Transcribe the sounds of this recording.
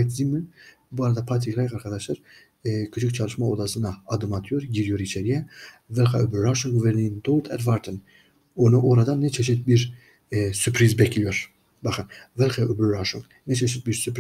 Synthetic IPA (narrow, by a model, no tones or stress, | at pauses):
t̪zimyn | buaɾad̪apʰaɾt̪ʰikɾajkaɾkʰad̪aʃlˠaɾ | kʰɯt͡ʃʰɯk̚t͡ʃʰalˠɯʃmaod̪asɯnaːd̪ɯmat̪ʰɯjoɾɟiɾijoɾit͡ʃʰɛɾijɛvɛlxa̰øblɾaʃuŋɡvɛɾnind̪olˠt̪ʰɛd̪vaɾt̪ʰən | onuʔoɾad̪anːɛt͡ʃʰɛʃit̪̚biɾ | sypʰɾizbɛcʰlʲijoɾ | baxɯnvɛlˠxaøbylɾaʃuŋɡ | nɛt͡ʃʰɛʃit̪̚biɾsypɾ